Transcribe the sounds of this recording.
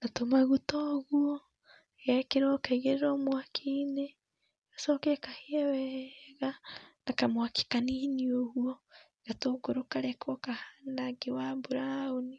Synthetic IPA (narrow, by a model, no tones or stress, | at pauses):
natomaɣutɔɣuɔ | ɣakeɾwɔkaiɣeɾeɾɔmwakʰine | ɣasɔːkɛkaheɛwɛɣanakamwaki̥kaniniohuɔ | ɣatoːɡoɾokaɾɛkɔkahaːndaɡewabuɾaoni